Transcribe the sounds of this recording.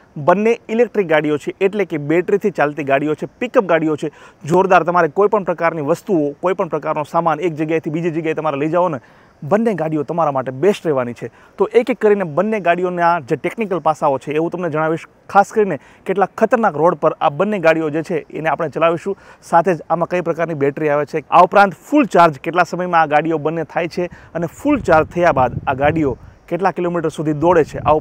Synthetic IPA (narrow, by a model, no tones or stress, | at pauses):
bənːeilek̚ʈɾik̚ɡaɽiot͡ʃʰeʔeʈleʈkebeʈɾit̪ʰit͡ʃalt̪iɡaɽijot͡ʃʰepikəp̚ɡaɽiot͡ʃʰed͡ʒoɾd̪aɾt̪əmaɾekoipəɳpɾəkaɾniʋəst̪uokoipəɳpɾəkaɾnosamanek̚d͡ʒəɡjajt̪ʰibid͡ʒid͡ʒəɡjaet̪əmaɾeləid͡ʒaʋone | bənːeɡaɽijot̪əmaɾamaʈebesʈɾɛʋanit͡ʃʰe | t̪oʔekkːəɾinebənːeɡaɽijonead͡ʒeʈeknikəlpasaot͡ʃʰeːʋũt̪əmned͡ʒəɽ̃aʋiʃ | kʰaskəɾine | keʈlakʰːət̪əɾnakɾoɽpəɾa̰bənːeɡaɽijod͡ʒet͡ʃʰeḛneapəɽ̃et͡ʃəlaʋiʃũsat̪ʰed͡ʒamãkəipɾəkaɾnibɛʈɾiaʋet͡ʃʰea̰upɾãnt̪fult͡ʃaɾd͡ʒkeʈlasəməjmãːɡaɽijobənːet̪ʰajt͡ʃʰeənefult͡ʃaɾd͡ʒt̪ʰəjabad̪aɡaɽijokeʈlakilomiʈəɾsud̪ʱid̪oɽet͡ʃʰeʔa̰